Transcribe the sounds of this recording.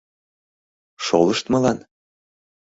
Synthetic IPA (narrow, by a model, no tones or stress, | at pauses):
ʃolɤʃt̪mɤ̆lɑn